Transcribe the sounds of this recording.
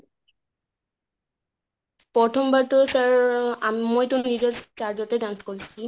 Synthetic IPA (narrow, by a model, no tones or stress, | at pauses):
pɹɔtʰɔmbatɔsaɹamojtʊnizɔtt͡ʃaɹzɔtɛdanskɔlisi